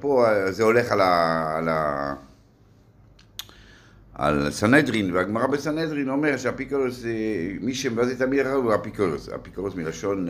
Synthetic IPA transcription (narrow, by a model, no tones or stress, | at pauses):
pozeo̞leχalala | a̰lsanedʁinveaɡmaʁabesanedʁino̞meʁʃeapikoʁsemiʃemevazet̪amid̪aχaavuapikoʁsa̰pikoʁsmilaʃo̞n